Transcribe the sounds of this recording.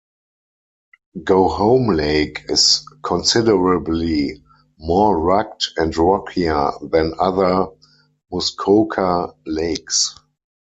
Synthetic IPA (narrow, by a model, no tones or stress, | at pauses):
ɡoʊhõʊ̃mleɪkʰɪskʰɔ̃nsɪdəɹəbli | mɔɹak̚tɛ̃ntɹɔkʰiə˞ðɛ̃naðə˞ | mʊskʰoʊkʰaleɪks